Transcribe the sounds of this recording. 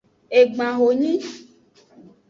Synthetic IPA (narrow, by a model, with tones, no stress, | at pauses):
e˨ɡ͡bã˨ɣo˨ɲĩ˦